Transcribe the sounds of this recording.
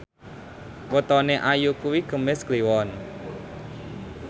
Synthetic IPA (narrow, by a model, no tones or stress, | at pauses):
kot̪ɔneʔajukuwiɡ̥ə̤mɪskliwɔn